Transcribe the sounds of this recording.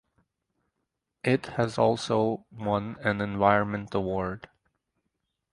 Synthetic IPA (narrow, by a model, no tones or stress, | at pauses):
ʔɪthɨzɔlˠsoʊwʌ̃nɨ̃nɨ̃nvaɪɹə̃nmɨ̃ntəwɔɹd̥